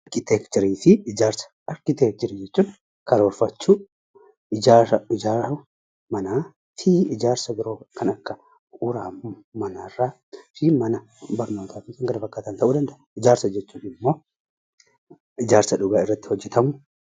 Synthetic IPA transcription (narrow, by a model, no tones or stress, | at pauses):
ɐkɪt̪eːkt͡ʃɪɾiːfɪːd͡ʒaːɾsɐ̥ | ɐɾkɪt̪eːk̚t̪ɪɾid͡ʒɛt͡ʃːuːn | kɐɾɐɔɾfɐt͡ʃːuː | ɪd͡ʒaɪd͡ʒaː | mɐnaː | fiɪd͡ʒaːɾsɐɡɪɾoːkɐnɐkːɐ | ʊɾaːmɐnarːaː | fimɐnɐ | bɐɾno̞ːt̪aːfɪkɪŋɡɐlɐfɐkːaːt̪ɐːnt̪ɐʔuːd̪ɐnd̪ɐʔɐɪd͡ʒaːɾsɐd͡ʒɛt͡ʃːuːnɪmːo̞ː | ɪd͡ʒaːɾsɐᶑʊɡaːɪrːɐt̪ːɪ̥hɔd͡ʒːɛt̪ɐmʊ